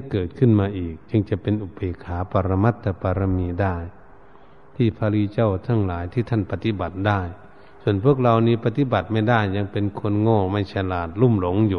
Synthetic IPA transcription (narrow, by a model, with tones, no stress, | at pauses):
ɛ˧˥kɤː˨˩t̪̚kʰɯ˧˥˨nmaː˧ʔiː˨˩k̚t͡ɕɯ˧˥ŋt͡ɕa˨˧˦pe˨nʔu˧pe˨˧˦kʰaː˨˦pa˧ɾa˧ma˧˩t̪ʰːa˧pa˧ɾa˧miː˧˦daː˧˩j | t̪ʰiː˧˩pʰaː˧liː˧˨t͡ɕa˧˥˩wt̪ʰa˧˨ŋlaː˨˦jt̪ʰiː˧˩t̪ʰa˧˥˨npa˧t̪i˧˥˨ba˨˩t̪̚daː˧˥˩j | su˧˨ənpʰu˥˩ək̚la˧wniː˧˥˨pa˧t̪i˧˨ba˨˩t̪̚ma˧˥˩jdaː˧˥˩jːa˧˥ŋpe˨nkʰo˧˥ə˨nŋoː˧˩˨ma˧˩˨jsa˧˩laː˧˩t̪̚lu˧˥˨mlo˨˦ŋjuː˨